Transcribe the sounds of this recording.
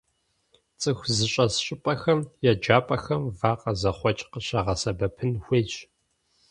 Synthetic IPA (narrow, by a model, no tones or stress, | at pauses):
t͡sʼɨxʷzɨɕʼɐsɕʼɪpʼɐxɐmjɛd͡ʒaːpʼɐxɐmvaːqʼɐzɐχʷɔt͡ʃʼqəɕɐʁɐsɐbɐpʰɨnxʷeːt͡ʃʼ